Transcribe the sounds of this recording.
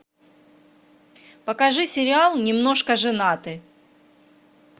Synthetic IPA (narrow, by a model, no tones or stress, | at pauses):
pəkɐʐɨsʲɪɾʲɪalˠnʲɪmno̞ʂkəʐɨnat̪ɨ